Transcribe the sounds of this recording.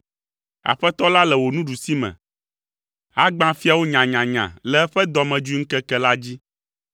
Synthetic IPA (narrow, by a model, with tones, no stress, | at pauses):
a̰˨ɸɛ˦t̪ɔ˦la˦lɛ˨wo˨nũ˦ɖu˨si˦mɛ̰̃˨ | a˦ɡ͡bã˦fi˦a˨wo˦ɲã˨ɲã˨ɲã̰˨lɛ˨˦ɛ˦ɸɛ˦d̪ɔ˨mɛ̃˨d͡ʒu˦i˦ŋ̩˦kɛ˦kɛ˦la˦d͡ʑi˦